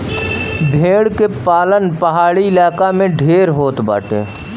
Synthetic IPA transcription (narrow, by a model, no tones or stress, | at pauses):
bʱẽːɽkepaːlənpɐɦaːɭiɪlaːkamẽɖʱeːɾɦoːt̪ba̰ːʈḛː